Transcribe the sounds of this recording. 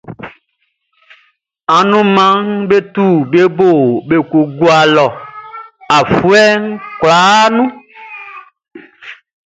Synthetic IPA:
a˨nũ˦mã˦ŋbe˦t̪u˦˨be˦bo˦˨be˨ku˨ɡu˦a˨lɔ˨ | a˨fu˦ɛ˦ŋ̩˦kla˨˦nũ˦

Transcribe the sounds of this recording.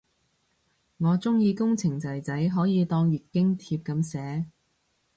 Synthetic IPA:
ŋɔː˨˧t͡sʊ˥ŋjiː˨˧kʊ˥ŋt͡sʰɪ˨˩ŋt͡sɐ˨˩jt͡sɐ˨˥jɦɔː˨˥jiː˨˧t̪ɔː˧ŋɥyː˨t̚kɪ˥ŋt̪ʰiː˧p̚kɐ˨˥msɛː˨˥

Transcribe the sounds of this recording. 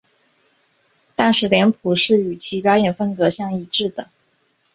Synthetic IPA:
t̪a˥nʂɻ̩˧˥ljɛ˧˥npʰu˨˩ʂɻ̩˥˩y˨˩t͡ɕʰi˧˥pjɑ˥ʊjɛ˨˩nfə˥nkɤ˧˥ɕjɑ˥˧ŋi˧˥˩ʈ͡ʂɻ̩˥˩d̪ə˩

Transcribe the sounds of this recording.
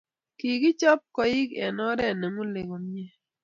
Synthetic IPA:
ki˨ɡi˦t͡ʃɔ˦p̚kɔ˨ɪ˦kɛ˨nɔ˦ɾɛ˦˨ne˨mo˦le˨ɡo˨mi˦ɛ˦

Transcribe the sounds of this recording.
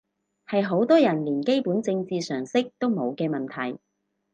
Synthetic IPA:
hɐ˨jɦo˨˥wt̪ɔː˥jɐ˨˩nliː˨˩nke˥jpuː˨˥nt͡sɪ˧ŋt͡siː˨sœː˨˩ŋsɪ˥k̚t̪o˥wmo˨˧wkɛː˧mɐ˨˩nt̪ʰɐ˨˩j

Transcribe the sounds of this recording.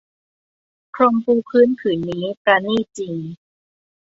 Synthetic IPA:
kʰɾo˧mpuː˧pʰɯː˦˥˨npʰɯː˩˦nːiː˦˥pɾa˧niː˥˩t͡ɕi˧ŋ

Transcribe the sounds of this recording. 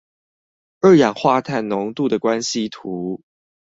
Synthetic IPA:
ə˞˥˩jɑ˨˩ŋxwa˥˧t̪ʰa˥˩nnʊ˧˦ŋt̪u˥˨d̪ə˩kwa˦nɕi˦t̪ʰu˨˦

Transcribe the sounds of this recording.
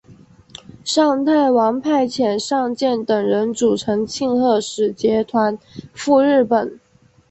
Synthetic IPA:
ʂɑ˥˧ŋt̪ʰa˥˩ɪwɑ˧˥ŋpʰa˥˩ɪt͡ɕʰjɛ˨˩nʂɑ˥˧ŋt͡ɕjɛ˥˩nt̪ə˨˩ŋɻə˧˥nʈ͡ʂu˨˩ʈ͡ʂʰɤ˧˥ŋt͡ɕʰi˥˧ŋxɤ˥˩ʂɻ̩˨˩t͡ɕjɛ˧˥t̪ʰwa˧˥nfu˥˧ɻɻ̩˥˩pə˨˩˦n

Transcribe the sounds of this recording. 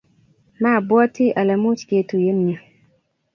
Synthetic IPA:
ma˦˨bwɔ˦ti˦ʔa˨la˨mu˦t͡ʃɡe˨tu˨je˦nɲa˨

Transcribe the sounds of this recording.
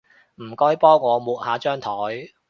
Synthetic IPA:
m̩˨˩kɔː˥jpɔː˥ŋːɔː˨˧muː˨t̚haː˨˥t͡ʃœː˥ŋt̪ʰɔː˨˥j

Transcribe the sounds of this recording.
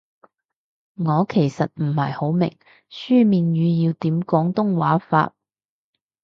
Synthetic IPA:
ŋɔː˨˧kʰe˨˩jsɐ˨t̚m̩˨˩hɐ˨˩jho˨˥wmɪ̰˨˩ŋ | syː˥miː˨njyː˨˧jiː˧wt̪iː˨˥mkɔː˨˥ŋt̪ʊ˥ŋwa̰ː˨˥fa̰ː˧t̚

